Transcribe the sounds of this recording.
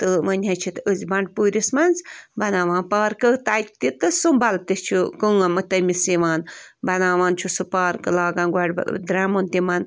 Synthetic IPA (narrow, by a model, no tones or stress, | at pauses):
t̪ɨʋɐnʲɦɐt͡ʃʰit̪əzʲbɐɳɖ̚puːɾʲismɐnzbɐnaːʋãːnpaːɾkɨt̪aːk̚ʲt̪it̪ɨsumbɐlt̪ɨst͡ʃʰukɨŋɐmɨt̪ɐmisiʋaːnbɐnaːʋaːnt͡ʃʰusupaːɾkɨlaːɡãːnɡʷaɽ̰ʲd̪ɾaːmont̪imɐn